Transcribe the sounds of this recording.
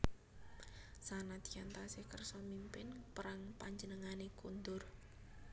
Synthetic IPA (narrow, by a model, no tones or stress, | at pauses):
sanat̪iant̪asekərsɔmimpɪnpəɾaŋpaɲd͡ʒənəŋanekund̪ʊr